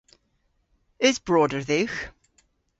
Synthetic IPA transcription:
ɪzbɹɔːdə˞ðɪx

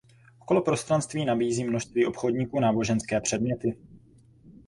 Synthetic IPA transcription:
ʔoko̞lopɾo̞st̪ɾanst̪viːnabiːziːmnoʃst̪viːʔo̞pxo̞dɲiːkuːnaːbo̞ʒɛnskɛːpr̥ɛdmɲɛt̪ɪ

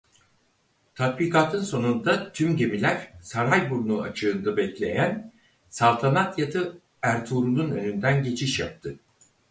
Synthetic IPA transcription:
t̪ʰat̪̚biːkʰaːt̪ʰɯnso̞nund̪at̪ʰymɟe̞milʲæɾsaɾajbuɾunuat͡ʃʰɯːnd̪ɯbɛclʲe̞̰jæn | salˠt̪ʰanat̪jat̪ʰɯ | æɾt̪ʰuːɾununø̞nynd̪ænɟe̞t͡ʃʰiʃjap̚t̪ʰɯ

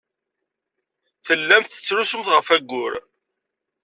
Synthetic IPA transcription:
θəlːæmθə̥t͡sːɾusəmt̪ʁəfæɡːʊɾ

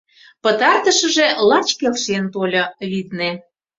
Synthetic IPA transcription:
pə̆t̪ɑrt̪əʃəʒelɑt͡ɕkelʃent̪olʲɤβid̪ne

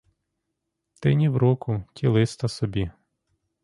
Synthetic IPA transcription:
t̪ɪnʲiwɾɔkʊtʲʰilˠɪst̪ɐsɔbʲi

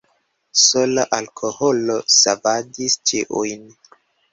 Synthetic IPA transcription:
solaʔalkʰoholosavadist͡ʃiʔujn

